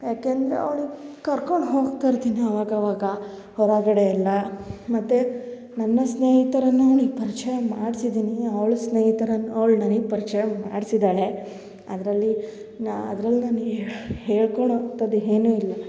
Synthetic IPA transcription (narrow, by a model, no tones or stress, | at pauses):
jaːkeːɐnd̪ɾḛɐ̰ʋɭukɐɾko̞ɳɖɦo̞ːɡt̪aɾt̪iːniɐʋaːɡɐʋaːɡɐ | hɔɾaːɡɐɽeɐlːɐmɐt̪ːe | nɐnːɐsneːɦit̪ɐɾɐnːuɐʋɭipɐɾit͡ʃɐjɐmaːɽsid̪iːniɐʋɐɭusneːɦit̪ɐɾɐnːuɐʋɐɭnɐnɐɡpɐɾit͡ʃɐjɐmaːɖisid̪aːɭe̞ | ɐd̪ɐɾɐlːi | nɐ̰d̪ɾɐlːinaniɡheːɭkoɳot̪ɐd̪ɦe̞ːnuːilːɐ